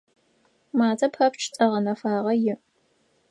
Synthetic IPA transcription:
maːzʼɐphɐpt͡ʃʰt͡sʼɐʁɐnɐfaːʁɐjɪ

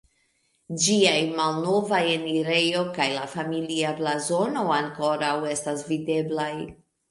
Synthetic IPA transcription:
d͡ʒiajmalno̞vajeniɾe̞jo̞kajlafamiliaplazo̞no̞aŋko̞ɾawe̞stasvide̞blaj

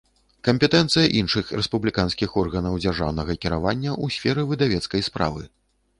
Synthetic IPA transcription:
kɐmpʲɛt̪ɛnt̪sɨjɐʔinʂɨxɾɛspublʲikanskʲixɔrɣɐnɐwd͡zʲarʐa̰wnɐɣɐkʲiɾa̰vanʲːɐʔusʲfʲɛɾɨvɨd̪avʲɛt̪skɐjspɾa̰vɨ

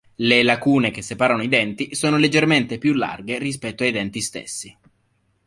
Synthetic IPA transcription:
lelakuːnek̟esːepaːɾanoid̪ɛnt̪isoːnoled͡ʒːerment̪epjulːa̰rɡeris̬pɛt̪ːoajd̪ɛnt̪ist̪ḛsːi

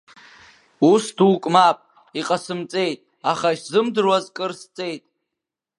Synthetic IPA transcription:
usduːkʼmapʼ | iqʼasɨmt͡sʼe̞jtʼ | aχaiʃzɨmdɨrwazkʼɨrst͡sʼe̞jtʼ

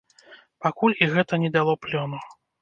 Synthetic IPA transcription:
pakulʲiɣɛt̪ɐnʲɛd̪alˠɔplʲɔnu

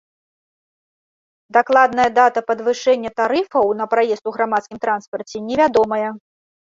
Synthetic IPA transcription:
d̪aklˠad̪nɐjɐd̪at̪ɐpɐd̪vɨʂɛnʲːɐt̪aɾɨfɐwnɐpɾajɛst̪uɣɾamat̪skʲimt̪ɾanspɐrt͡sʲɛnʲɛvʲad̪ɔmɐjɐ

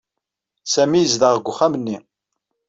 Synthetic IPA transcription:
sæmijəzðəʁɡʷʊχæmənːi

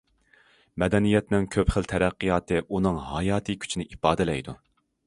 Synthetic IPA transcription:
mɛd̪ɛnijɛt̪nɪŋkʲʰøpχəlt̪ʰɛɾæqːɨjɑːt̪ɨʔunɨŋɦɑjɑːt̪ʰɨkʲʰy̥t͡ʃʰinɪʔipɑːd̪ɪlɛ̰jd̪u

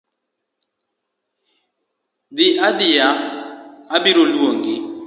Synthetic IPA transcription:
d̪ɪʔadɪjaː | biɾolwoŋɡɪ

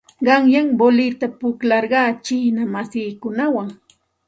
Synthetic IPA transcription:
ɢɑŋjaŋbolɪt̪apʊklɑɾɢɑːt͡ʃɪhnamasiːkʊnawaŋ

